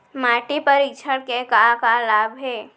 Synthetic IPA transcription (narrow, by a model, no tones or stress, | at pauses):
maːʈepəɾɪkt͡ʃʰəɽkekakalaːbʱɦeː